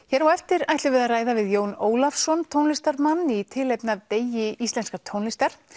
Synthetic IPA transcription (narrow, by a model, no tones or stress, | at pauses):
çɛɾawɛft̪ɪɾajht̪lʏvɛðaraːjðavɪðjoːwnoːwlafsɔnt̪ʰownlɪst̪aɾmanːit̪ʰɪlɛjpnaðt̪eːjɪʔist̪lɛnskat̪ʰownlɪst̪aɾ̥